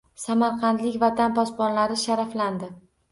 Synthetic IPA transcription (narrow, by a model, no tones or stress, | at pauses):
samaɾqʰɑnt̪lɪkʲvat̪ʰanpɒspɒnlaɾɪʃaɾafland̪ɪ